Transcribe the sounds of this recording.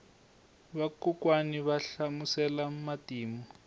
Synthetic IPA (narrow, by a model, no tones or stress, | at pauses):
βakukwaniβaɬamusɛlamatiːmuu